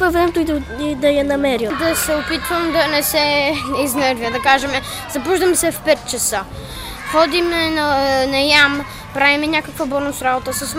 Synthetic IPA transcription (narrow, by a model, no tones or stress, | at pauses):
pɐvɾɛmɛt̪ʊi | id̪ɐjɐnɐmɛɾid̪ɐsɛopit̪vəmd̪ɐnɛsɛiznɛɾviəd̪ɐkaʒɛmɛ | z̥ɐpuʒd̪ɐmɛsɛfpɛt̪̚t͡ʃɐsə | xɔd̪imɛnɐnɐjam | pɾavimɛɲʲakəkvɐbɔnʊsɾabot̪əsɐs